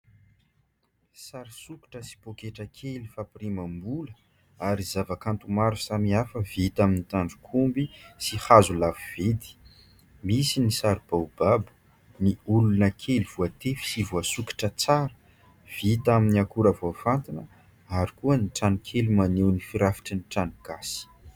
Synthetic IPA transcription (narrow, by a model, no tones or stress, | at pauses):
saɾsuki̥ʈ͡ʂəsi̥pokeʈ͡ʂəkʰelifapirimambulə | aɾizavakant̪umaɾusamiafəvit̪aminit̪aɳɖ͡ʐu̥kʰumbisihazulaviv̥ed̪i̥ | misinisaɾib̥awbabə̥ | niulunəkʰeliv̥uat̪efi̥sivuasuki̥ʈ͡ʂət͡saɾə | v̥it̪aminiakuɾavoafant̪inə | aɾikuəniʈ͡ʂanikʰelimanewnifiɾafi̥ʈ͡ʂəniʈ͡ʂaniɡ̥asi̥